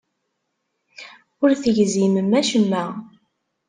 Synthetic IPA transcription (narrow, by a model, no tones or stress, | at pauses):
ʊɾθəʝziməmæʃəmːæ